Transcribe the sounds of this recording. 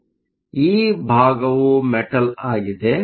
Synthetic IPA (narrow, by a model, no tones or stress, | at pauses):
iːbʱaːɡɐʋumɛʈɐlaːɡid̪e